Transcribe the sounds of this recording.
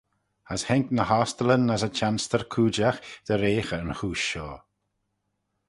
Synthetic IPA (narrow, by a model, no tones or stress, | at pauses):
əshɛŋknəhɔst̪ələnːəsət͡ʃanstəɹkʰuːd͡ʒaxd̪̥əɾeːxəənxuːʃɔː